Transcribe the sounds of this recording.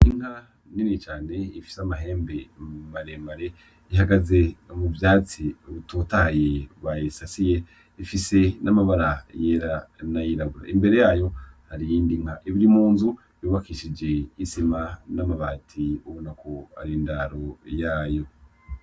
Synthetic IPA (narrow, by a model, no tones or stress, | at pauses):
iŋ̥ha | ninit͡ʃaːne̞ifi̥samaɦe̞ːmbe̞maɾe̞maɾe̞ | iɦaɡaze̞muvjaːt͡siuβututajeβajisasije̞ | ifise̞namaβaɾajeɾanajiɾaɡuɾa̰imbe̞ɾe̞jaːjo̞haɾijiːndiŋhaʔiβiɾimuːnzu | juːβakiːʃid͡ʒe̞isimanamaβaːtʰiuβonakʰo̞a̰ɾindaɾojaːjo̞